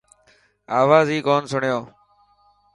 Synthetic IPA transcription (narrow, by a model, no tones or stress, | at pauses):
aːʋaːziːkoːnsʊɳjoː